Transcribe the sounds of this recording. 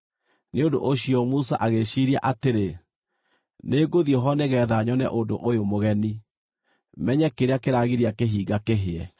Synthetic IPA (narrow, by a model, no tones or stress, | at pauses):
neondo̰ʔoɕiɔmusaʔaɣeʃiɾia̰ʔateɾe | neːɡoðijɔɦɔneɣɛðaɲɔnɛ̰ʔondoʔojomoɣɛni | mɛɲɛkeɾeakeɾaɣiɾiakeɦiːɡakeɦeɛ